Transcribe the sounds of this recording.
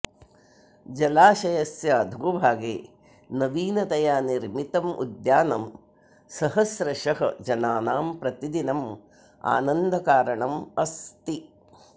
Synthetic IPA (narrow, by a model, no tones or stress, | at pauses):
d͡ʒɐlaːʃɐjɐsjɐd̪ʱɡubʱaːɡḛː | nɐʋiːnɐt̪ɐjaːniɾmit̪ɐmʔṵd̪jaːnɐm | sɐɦɐsɾɐʃɐɦɐd͡ʒɐnaːnaːmpɾɐt̪id̪inɐm | a̰ːnɐnd̪ʱɐkaːɾɐɳɐmɐst̪i